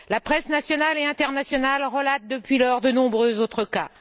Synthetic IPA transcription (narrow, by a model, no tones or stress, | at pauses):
lapχɛsnasjɔnaleɛ̃t̪ɛʁnasjɔnalʁəlat̪̚d̪əpɥilœʁd̪ənɔ̃bʁøzot̪χəka